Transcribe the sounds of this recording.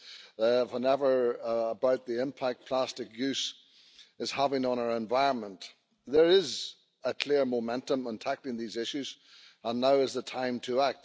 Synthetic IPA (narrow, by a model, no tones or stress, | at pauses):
wə̃nɛvə˞əbaʊt̪̚ðiɪ̃mpʰæk̚t̚pʰl̥æstɨkjʉs | ɨz̥havɪ̃ŋə̃ñə˞ɛ̃ɱvaɪɹə̃nmə̃nt | ðə˞ɪz | əkʰl̥ɪɹmomɛ̃ntə̃mə̃ntʰaklˠɪ̃ŋðizɪʃʉz | ə̃nːaʊɨzðətʰãɪ̃mtʰəak̚t̚